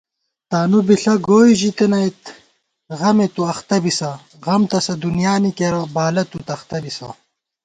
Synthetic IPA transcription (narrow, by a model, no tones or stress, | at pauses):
t̪aːnubiɬɐɡoːiʑit̪enɐjt̪ | ʁɐmet̪uɐxt̪ɐbisɐ | ɣɐmt̪ɐsɐd̪unjaːnikeɾɐbaːlɐt̪ut̪ɐxt̪ɐbisɐ̰